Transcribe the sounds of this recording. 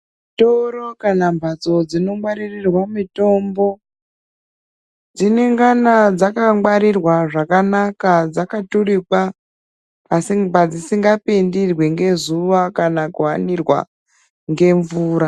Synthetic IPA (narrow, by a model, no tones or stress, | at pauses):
toɾo̞kanambʱat͡so̞d͡zino̞mwaɾirirwamito̞mbo̞ | d͡zine̞ŋɡanad͡zakaŋwaɾirwaʐakanakad͡zakaturipaː | sibad͡zisiŋɡapendirweŋɡe̞zuʋakanakuwanirwa̰ | ŋɡe̞ɱvuːɾa